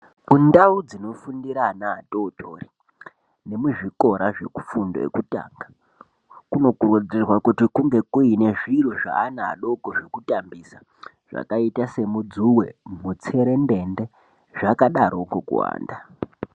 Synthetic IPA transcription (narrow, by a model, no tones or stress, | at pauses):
kundaud͡zino̞fundiɾanaːtoːtʰori | ne̞muʐiko̞ɾaʐe̞̰ku̥fundo̞̰ḛkuta̰ːŋɡa | kuno̞kurud͡zirwakutikuŋɡe̞kuine̞ʐiruʐa̰ːna̰ːɗo̞koʐekutambisa | ʐ̥a̰kaitase̞mud͡zuwḛmut͡seɾe̞nde̞nde̞ | ʐakaɗaɾo̞kokṵwa̰ːnda